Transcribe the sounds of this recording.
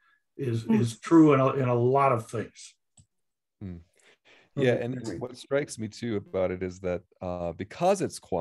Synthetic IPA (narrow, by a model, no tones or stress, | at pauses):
ɪzɪz̥tʰɹ̥ʉə̃nəʔɪ̃nəlɔɾʌv̥θɪ̃ŋz̥ | m̩ | jæʔɨ̃ñnwʌtstɹ̥aɪksmitʰʉɨbaʊɾɨɾɨzðɨt̚ʌbɨkʰʌzɨtskʰw̥a